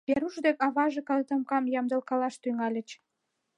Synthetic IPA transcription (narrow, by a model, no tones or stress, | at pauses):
pʲeɾuʃd̪ekɑβɑʒekɑlt̪əmkɑmjɑmd̪əlkɑlɑʃt̪yŋɑlʲə̆t͡ɕ